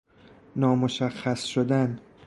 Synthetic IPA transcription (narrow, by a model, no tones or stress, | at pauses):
nɒːmoʃæxːæsʃod̪æn